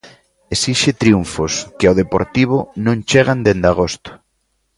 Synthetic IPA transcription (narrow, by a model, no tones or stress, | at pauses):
esiʃet̪ɾiuɱfoskeɪoðepo̰ɾt̪iβ̞ʊnõŋt͡ʃeɣand̪end̪aɣ̞ost̪ʊ̥